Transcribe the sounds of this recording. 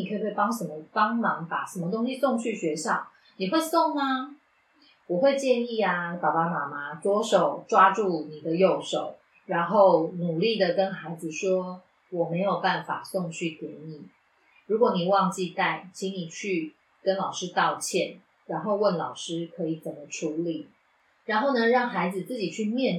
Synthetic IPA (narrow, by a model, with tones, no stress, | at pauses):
i˨˩kʰɤ˧˥i˨˩we˥˩pɑ˥ŋʂə˧˥nmə˧˦pɑ˥ŋmɑ˧˥ŋpa̰˨˩ʂə˨˥nmə˧t̪̬o˥ŋɕi˧sʊ˥˧ŋt͡ɕʰy˥˩ɕɥɛ˧˥ɕjɑ˥˩ʊ | ni˨˩xwe˥˧ɪso˥˩ŋna˧ | wɔ˨˩xwe˥˧ɪt͡ɕjɛ˥˧ni˥˩a˨pa˨˩pa˨˥ma˨˩ma˦t̪wɔ˥ʂo˨˩ʊʈ͡ʂwa˦˥ʈ͡ʂu˥˩ni˨˩d̪ə˦jo˥˩ʊʂo˨˩˦ʊ | ɻa˧˥nxo˥˩ʊnu˨˩li˥˩d̪ə˨kə˦nxa˧˥ɪd͡z̩˨ʂwɔ˥ | wɔ˨˩me˧˥ɪjo˨˩ʊpa˥˩nfa̰˨˩sɔ˥˧ŋt͡ɕʰy˥˩kjɛ̰˧˥˦ni˨˩˦ | ɻu˧˥kwɔ˨˦ni˨˩wɑ˥˧ŋt͡ɕi˥˧t̪a˥˩ɪt͡ɕʰi˧˥ŋni˨˩t͡ɕʰy˥˩ | kə˦nlɑ˨˩ʊʂɻ̩˥t̪ɑ˥˧ʊt͡ɕʰjɛ˥˩n | ɻa˧˥nxo˥˧ʊwə˥˩nlɑ˨˩ʊʂɻ̩˦˥kʰɤ˧˥i˨˩t͡sə˨˩mə˦ʈ͡ʂʰu˧˥li˨˩˦ | ɻa˧˥nxo˥˩ʊnə˨˧ɻɑ˥˩ŋxa˧˥ɪd͡z̩˨t͡sɨ˥˩t͡ɕi˨˩t͡ɕʰy˥˧mjɛ˥˨n